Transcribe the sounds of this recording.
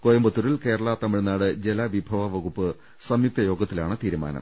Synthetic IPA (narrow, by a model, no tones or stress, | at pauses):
kojɐmbɐt̪ːurilke̞ːɾɐɭat̪ɐmiɻnaːɽɨd͡ʑelɐʋibʱɐʋɐʋɐɣupːɨ | sɐmjut̪ɐjo̞ːɡɐt̪ːilaːɳɨt̪iːɾuma̰ːnɐ̰m